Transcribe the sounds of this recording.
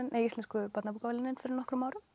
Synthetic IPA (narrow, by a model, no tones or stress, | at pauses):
ɪnʔejist̪ɛnskʏpat̪napuːkavalɪnɪnfɪɾɪɾnɔhkɾʏmaːwɾʏ